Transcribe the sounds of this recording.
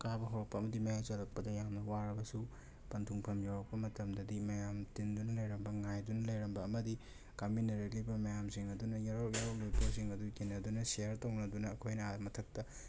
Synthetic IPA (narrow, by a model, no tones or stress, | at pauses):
kabɐɦowɾɐk̚pɐːmɐdimɐjazɐlɐk̚pɐdɐjamnɐwaɾɐbɐsu | pɐntʰuŋpʰɐmjawɾɐk̚pɐmɐtɐmdɐdimɐjamtindunɐlɐjɾɐmbɐŋajdunɐlɐjɾɐmbɐːmɐdi | kɐminːɐɾɐk̚libɐmɐjamsiŋɐdunɐjaɾojaɾok̚lujposiŋɐdukenːɐdunɐseɐɾtɐwnɐdunɐːkʰojnɐamɐtʰɐk̚tɐ